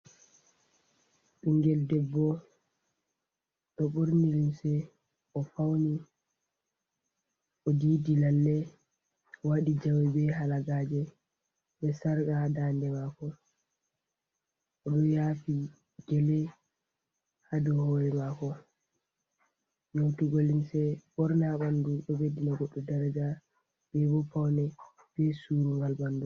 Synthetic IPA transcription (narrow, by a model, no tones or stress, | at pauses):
ɗuŋɡɛldɛbːɔ | ɗɔɓuɾnilimsɛ | ɔfawni | ʔɔdiːdinalːɛ | waɗid͡ʒawɛbɛɦalaɡaːd͡ʒɛ | ɓɛsaɾkadandɛmakɔ | ʔɔɗɔjaːfi | d͡ʒɛlɛ | hadɔhɔːɾɛmakɔ | jotuɡolinsɛbɔɾnaɓanduɗɔwedinaɡɔɗːɔdaɾad͡ʒa | bɛbɔfawnɛ | b̥ɛsuɾuŋɡalbanːdu